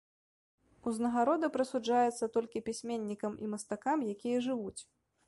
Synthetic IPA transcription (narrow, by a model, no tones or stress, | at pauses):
uznɐɣaɾɔd̪ɐpɾɐsud͡ʐajɛt̪sːɐt̪ɔlʲkʲipʲisʲmʲenʲːikɐmimɐst̪akamjakʲijɐʐɨvut͡sʲ